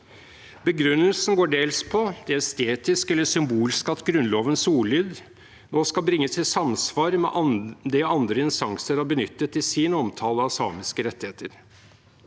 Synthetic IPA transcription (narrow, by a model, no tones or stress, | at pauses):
bəɡɾʉnːəlsn̩ɡoːɖeːlspʰɔd̪̥ɛæst̪eːt̪ɪskɛlːəʂʏmbuːlskɑt̪ɡɾʉnloːʋənsuːɭyːd̪ | noːskɑlbɾɪŋːəsɪsɑmsʋɑːɾmɛ̰ʔd̪ɛɑnd̪ɾəɪnst̪ɑŋsəɾɑbənʏt̪ːət̪ːɪsiːnəɔmt̪ʰɑːləɑɑsɑ̰ːmɪskəɾɛt̪ːɪheːt̪əɾ